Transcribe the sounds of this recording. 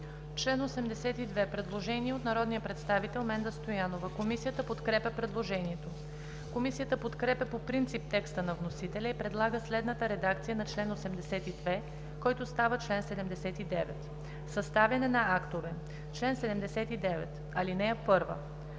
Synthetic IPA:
t͡ʃlɛnosɛmd̪ɛsɛt̪id̪vɛpɾɛd̪lˠoʒɛniɛot̪nɐɾɔd̪nijəpɾɛt̪st̪avit̪ɛlˠmɛnd̪əst̪ojanovəkomisijət̪əpot̪kɾɛpʲəpɾɛd̪lˠoʒɛniɛt̪o | komisijət̪əpot̪kɾɛpʲɛpopɾint̪sip̚t̪ɛkst̪ənɐvnosit̪ɛlʲɛipɾɛd̪lˠaɡəslɛd̪nət̪əɾɛd̪akt̪sijənɐt͡ʃlɛnosɛmd̪ɛsɛt̪id̪vɛ | kɔjt̪ʊst̪avət͡ʃlɛnsɛd̪ɛmd̪ɛsɛt̪id̪ɛvɛ̰t̪ | sɐst̪avjɐnɛnɐakt̪ovɛ | t͡ʃlɛnsɛd̪ɛmd̪ɛsɛt̪id̪ɛvɛ̰t̪ | ɐlinɛɛpɤɾvə̰

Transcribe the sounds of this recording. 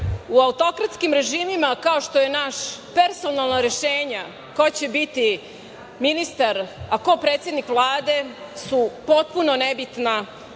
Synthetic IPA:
uaut̪o̞kɾat̪skimɾe̞ʒiːmimakao̞ʃt̪o̞je̞naʃpeɾso̞nalˠnaɾe̞ʃeːɲa | kot͡ɕe̞bit̪i | minist̪aɾako̞pɾeːt̪sjed̪nikʋlˠaːd̪e̞supo̞t̪̚punonebit̪na

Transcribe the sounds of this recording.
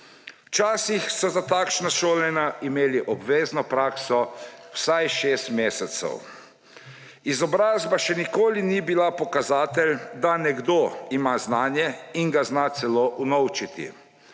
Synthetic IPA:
t͡ʃaːsixsɔzat̪aːkʃnaʃoːlɛnaʔimeːliʔɔbʋeːznɔpɾaːksɔwsajʃeːst̪meːsɛt̪sɛ̰w | izɔbɾaːzbaʃɛnikoːlinibilapɔkazaːt̪ɛld̪anɛɡd̪oimaznaːnjɛiŋɡaznaːt̪sɛloːʔunɔwt͡ʃit̪ḭ

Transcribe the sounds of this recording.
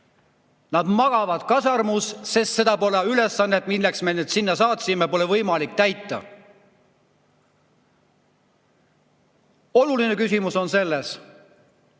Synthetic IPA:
nɑd̪mɑɡ̥ɑvɑd̪̥kɑsɑrmussest̪se̞d̪̥ɑpo̞leyle̞sːɑnːet̪milːeksme̞ned̪̥sinːɑsɑːt̪simepo̞levɤjmɑlik̚t̪æjt̪ːˑɑ̰ | o̞luline̞kysimuso̞nse̞lːes

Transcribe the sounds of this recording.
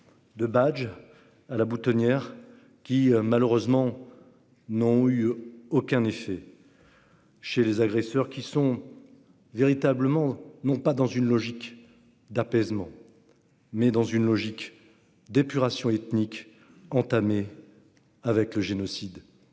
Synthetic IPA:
d̪əbad͡ʒ | alabut̪ɔnjɛʁ | kʲimaləʁøzmɑ̃ | nɔ̃yokʲɛ̃nefɛ | ʃelezaɡʁɛsœʁkʲisɔ̃ | veʁit̪abləmɑ̃nɔ̃pad̪ɑ̃zynlɔʒik | d̪apɛzmɑ̃ | mɛd̪ɑ̃zynlɔʒik | d̪epyʁasjɔ̃ɛt̪nik | ɑ̃t̪ame | avɛkləʒenɔsid̪

